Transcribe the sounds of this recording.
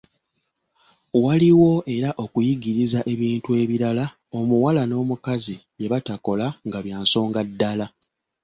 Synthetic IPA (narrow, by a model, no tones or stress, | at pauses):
waliwo̞ʔe̞ɾaʔo̞kujiɡiɾizaʔe̞βiːntue̞ːβiɾala | o̞muwalano̞ːmukazije̞βatako̞laŋɡaβjaːnso̞ːŋɡadːala